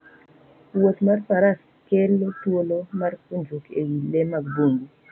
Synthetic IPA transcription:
wot̪marpaɾas | kelotwolomarkond͡ʒokeɡilemaɡ̚boŋi

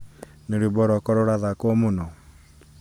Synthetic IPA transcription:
neɾebɔɾɔkɔɾɔɾaðakwɔmonɔ

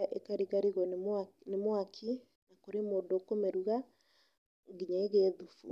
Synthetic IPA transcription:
ʔḛkaɾiɣaɾiɣɔnemwakʰi | nakoɾemoːndokomɛɾuɣa | ŋɡiɲaeɣeðufṵ

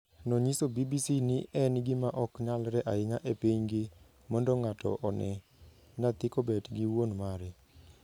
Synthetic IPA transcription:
noɲisobibisinɪʔɛnɡɪmaʔɔkɲalɾɛʔaɪŋaʔepiɲɡɪ | mɔndɔŋatɔ̰ʔɔnɛ | nat̪ɪkobɛdɡɪwonmaɾɛ

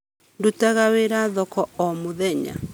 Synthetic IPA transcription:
ndutaɣaweɾaðɔkɔɔmʊðɛɲa̰

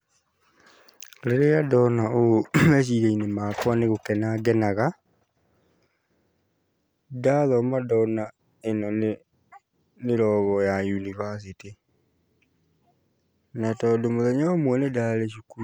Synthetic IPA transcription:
leɾejadɔnaooɛɕ̬iɾeinemaːkwaneɣokɛnaɡɛnaɣa | daðɔmadɔna | enɔn | neɾɔːɣɔjajunivas̬iti | natɔːdomoðɛɲaomwɛnedaːleʃuku

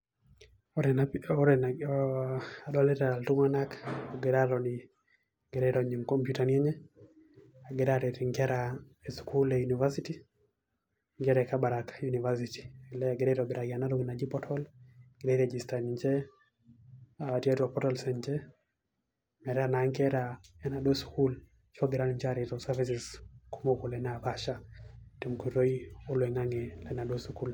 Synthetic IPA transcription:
ɾɛnaɔɾɛn | adɔaletaltuŋanakɔɡeɾaɾɔni | ɡ̥eɾɛɾɔɲiŋkɔmpjutanieɲɛ | aɡeɾaɾɛtiŋɡɛɾa | eskulejunivasiti | ŋɡɛɾɛkabaɾakjunivasiti̥ilɛɡeɾɛɾɔbɛɾaɡanaɾɔɡinad͡ʒipɔtʰɔlɡ̥eɾeɾɛd͡ʒistanɲd͡ʒɛ | aatiatuapɔtɔlsɛɲd͡ʒɛ | mɛɾanaŋɡɛɾaɛnaɗosu̥kul | t͡ʃɔɡɛɾalmt͡ʃaɾitɔsavisiskumokolɛnabaʃatɛmkuɾoiolwɛŋaŋɛlɛnaɗosukul

